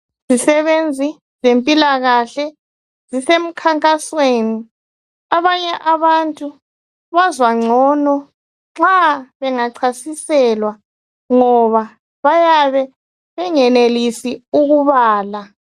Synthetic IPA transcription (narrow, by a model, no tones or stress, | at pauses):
z̥isɛβend͡zʱi | zempʼilaɣaɬɛ | zisem̩kʰaŋkʼasweːni | aβaɲɛʔaβantʼu | βazwaŋ͡ǀʱɔːnɔ | ŋ͡ǁaβɛŋaǀʰasisɛlwa | ŋɔβa | βajaβɛ | βɛŋɛnelisiuɣuβaːla